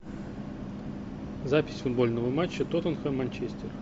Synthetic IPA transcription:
zapʲɪ̥sʲfʊd̪bolʲnəvəmat͡ɕːət̪ot̪ənxəmɐnʲt͡ɕesʲt̪ʲer

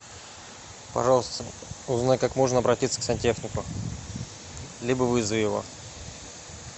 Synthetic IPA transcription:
pɐ̰ʐɑlˠəst̪əʊznajkakmo̞ʐnəɐbɾɐtʲit̪sə̥ksʲɐnʲtʲexnʲɪkʊ | lʲibəvɨzvɪvo̰

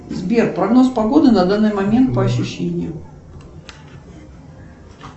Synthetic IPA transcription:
zbʲerpɾɐɡno̞spɐɡo̞d̪ɨnɐd̪anːɨjmɐmʲe̞nt̪̚pəɐɕːʊɕːenʲɪjʊ

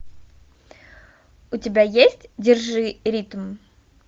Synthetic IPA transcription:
ʊtʲɪbʲajesʲtʲdʲɪrʐɨɾʲit̪m

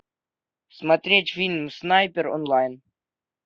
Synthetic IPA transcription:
smat̪ʲɾʲetʲfʲilʲmsnajpʲeɾo̰nlˠajn

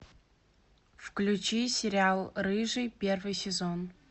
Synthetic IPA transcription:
fklʲut͡ɕisʲɪɾʲɪalˠrɨʐɨjpʲe̞rvɨjsʲɪzon

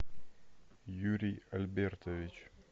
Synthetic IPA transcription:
juɾʲiɐlʲbʲert̪əvʲɪt͡ɕ

